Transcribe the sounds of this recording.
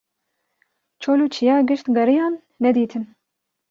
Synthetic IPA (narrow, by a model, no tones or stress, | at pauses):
t͡ʃʰoluːt͡ʃʰijɑːɡɨʃt̪ɡɐɾijɑːnːɛd̪iːt̪ʰɨn